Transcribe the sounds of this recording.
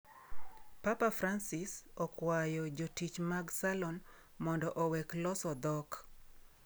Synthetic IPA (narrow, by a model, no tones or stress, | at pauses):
papafransɪsɔkwajɔd͡ʒotit͡ʃmaɡsalɔn | mɔndɔʔowɛklɔsɔd̪ɔk